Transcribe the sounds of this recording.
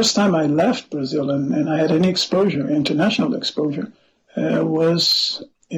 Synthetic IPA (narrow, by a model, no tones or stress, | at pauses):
ɜ˞stʰãɪ̃maɪlɛft̚b̥ɹɨzɪlˠə̃nɨ̃naɪɨɾɛniɨkspoʊʒə˞ɪ̃ntʰə˞næʃn̩l̩ˠɨ̰kspoʊʒə˞ | wʌz̥